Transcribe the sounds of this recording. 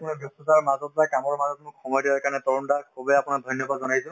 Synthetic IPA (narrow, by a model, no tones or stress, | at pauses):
kʊnibjɔstɔsaɹmazɔt̚bakamɔɹmazɔtmʊkxɔmɔjdiɔjkanɛtɔɹɔntakɔbɔjapʊnadʱɔjnjɔbazɔnajsʊ̃